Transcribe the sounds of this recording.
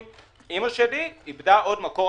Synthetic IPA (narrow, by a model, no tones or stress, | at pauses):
imaʃediibdaʔo̞dmako̞